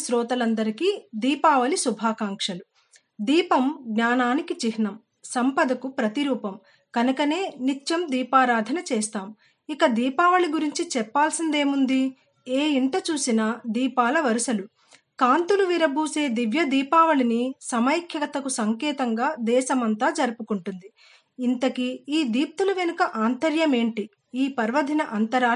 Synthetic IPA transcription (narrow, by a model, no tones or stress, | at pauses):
sɾɔːt̪ɐlɐnd̪ɐɾikid̪iːpaːʋɐlisubʱaːkaːŋkʂɐlu | d̪iːpɐmɡnaːnaːnikit͡ʃiɦnɐm | sɐmpɐd̪ɐkupɾɐt̪iɾuːpɐm | kɐnukɐne̞ːnit͡ʃːɐmd̪iːpaːɾaːd̪ʱɐnɐt͡ʃeːst̪aːm | ikɐd̪iːpaːʋɐliɡuɾiɲt͡ʃit͡ʃɛpːaːlsind̪e̞ːmund̪i | eːiɳʈɐt͡ʃuːsinɐd̪iːpaːlɐʋɐɾusɐlu | kaːnt̪uluʋiɾɐbʱuːse̞ːd̪iʋjɐd̪iːpaːʋɐlinisɐmɐjkʰjɐkɐt̪ɐkusɐŋkɛːt̪ɐŋɡaːd̪ɛːʃɐmɐnt̪aːd͡ʒɐɾupukuɳʈund̪iː | nt̪ɐkiiːd̪iːp̚t̪ulɐʋenukɐʔaːnt̪ɐɾjɐme̞ːɳʈi | iːpɐɾʋɐd̪ʱinɐʔɐnt̪ɐɾaː